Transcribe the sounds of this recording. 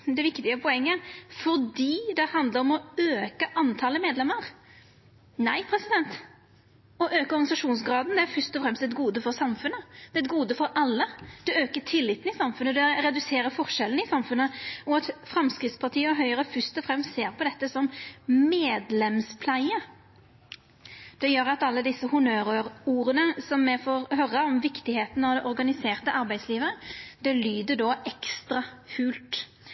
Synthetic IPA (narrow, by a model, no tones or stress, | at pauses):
d̪ɛʋɪkt̪ɪəpʰɔɛŋːəfɔɾd̪iːd̪ɛhɑnd̪ləɾɔmɔøːkəʔɑnt̪ʰɑləmeːd̪lɛmːəɾ | næɪpʰɾɛsɪd̪ɛnt̪ | ɔʔøːkəɔɾɡɑnɪsɑʂuːns̬ɡɾɑːd̪n̩d̪ɛæɾfœɾst̪ɔfɾɛmst̪ɛt̪ɡuːd̪əfɔɾsɑmfʉnəd̪̥ɛt̪ɡuːd̪əfɔɾɑlːəd̪̥ɛøːkət̪ʰɪlːɪt̪ːn̩ɪsɑmfʉnəd̪ɛɾɛd̪ʉseːɾəfɔʁʂɛln̩ɪsɑmfʉnəɔɑt̪fɾɑmskɾɪt̪spɑt̪ʰiːəɔɦœʏəɾəfʏst̪ɔfɾɛmst̪seːɾpʰɔd̪ɛt̪ːəsɔmmeːd̪lɛmspʰlæɪə | d̪̥ɛjøːɾɑt̪ɑlːəd̪ɪsːəhʊnøːɾøːɾuːɾənəsɔmːɛfoːɾhœɾːəɔmʋɪkt̪ɪheːt̪nɑʋd̪ɛʔɔɾɡɑnɪseːʁt̪əʔɑɾbæɪd̪sliːʋəɾəd̪̥ɛlyːd̪əd̪oːʔɛkst̪ɾɑfʉːlt̪